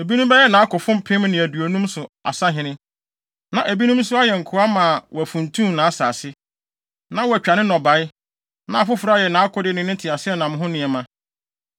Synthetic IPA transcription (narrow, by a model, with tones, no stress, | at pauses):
e˨bi˦nũ˦m˦bɛ˦ɛ˦nã˨˦a˦kʊ˨fʊ̃˦m˦pʰɪ̃˦mnɪ̃˨æ˨du˨o˨nũ˦msʊ˨a̰˨sa˦ɦɪ̃˨nɪ̃˦ | nã˨ʔæ˨bi˦nũ˦m˦sʊ˦a˦jɛ˨ŋ̩˨kʰʊ˨˦a˦mã˨wɔ˨æ˨fũ˨ntʰũ˦mnã˨˦saː˨sɪ˦ | nã˦wɔ˨æ˨t͡ɕᶣa˨nɪ̃˦nɔ̃˨ba˨˦ɪ˦ | nã˨a˨fʊ˦fʊ˨ɾa˦˨jɛ˨nã˨˦a˦kʰʊ˦dɪ˦nɪ̃˦nɪ̃˦tʰɪ˨a˨sɪ˦ɛ˦nã˨m˦ɦʊ̃˦nɪ̃˨ɛ˨mã˦